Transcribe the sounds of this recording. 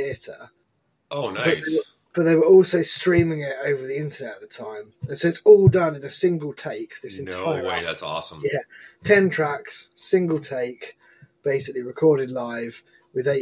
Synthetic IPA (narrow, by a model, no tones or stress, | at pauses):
iətə̰ | ʔoʊnb̥ʌðeɪwə | b̥ʌʔðeɪwəɹɔˑlˠsəʊstɹ̥ĩːmɪ̃ŋɪtəʊvəðiɪ̃ntənɛtəʔðətʰãɪ̃mə̃nsəʊɪtsɔːlˠdʌ̃nɪ̃nəsɪ̃ŋɡəlˠtʰeɪk̚ðɪsɪ̃ntʰaɪəɹ̰smjætʰɛ̃ntʰɹ̥aksːɪ̃ŋɡəlˠtʰeɪk | b̥eɪsɪkliɹɪkʰɔːɾɪdˡlaɪv̥ | wɪðeɪ